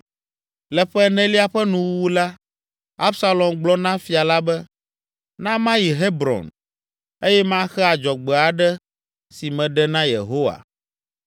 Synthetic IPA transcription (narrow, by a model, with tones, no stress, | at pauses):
lɛ˨ɸɛ˦nɛ̃˦li˦a˨ɸɛ˦nũ˨wwu˦la˦ | a˦bsa˦lɔ˨mɡ͡blɔ˦nã˦fi˨a˨la˦bɛ˦ | nã˦mã˦ji˨ɦe˦bɾɔ̰̃˨n | e˦jɛ˦mã˦xɛ˦a˨d͡ʒɔ˨ɡ͡bɛ˨a˨ɖɛ˦ | si˨mɛ̃˨ɖɛ˦nã˦jḛ˨ɦo˦wa̰˨